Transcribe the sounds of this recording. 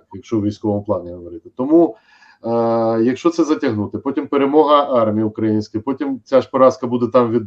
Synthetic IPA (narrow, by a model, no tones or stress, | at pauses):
jɐkʃt͡ʃɔwʋʲijsʲkɔʋɔmʊplˠɑnʲeɦɔʋɔɾɪt̪ɪ̥t̪ɔmu | jɐkʃt͡ʃɔt̪sɛzɐtʲɐɦnut̪ɪpɔtʲimpeɾemɔɦɐɑrmʲijiʊkɾɐjinʲsʲkɪpɔtʲimt͡sʲaʃpɔɾɑskɐbud̪ɛt̪ɑmʋʲid̪